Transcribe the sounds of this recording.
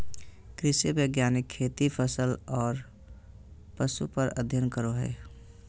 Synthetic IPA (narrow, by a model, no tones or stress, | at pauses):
kɾɪsiʋəɪɡjaːnɪkʰːeːt̪ipʰəsəlɔːɾ | pəsupəɾəd̪ʱjənkəɾoɦɛ̰ː